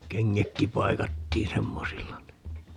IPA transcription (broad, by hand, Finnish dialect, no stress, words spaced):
keŋːækːi pɑikɑtːiːn semːosilːɑ ni